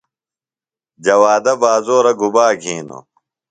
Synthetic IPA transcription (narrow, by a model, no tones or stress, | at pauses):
d͡ʑɐwaːd̪ɐbaːzoːɾɐɡubaːɡʱĩːno̰